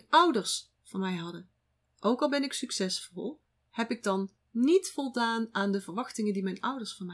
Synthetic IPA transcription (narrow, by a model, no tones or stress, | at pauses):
ʌwdəɹs | fɑnmɛjɦɑdən | ʔowkɑlˠbɛnɪksyksɛsfɔlˠ | hɛpɪɡ̚dɑnː | itfɔlˠdaːnaːndəvəɹʋɑxtɪŋəndimɛjnʔʌwdəɹsfɑnmɛ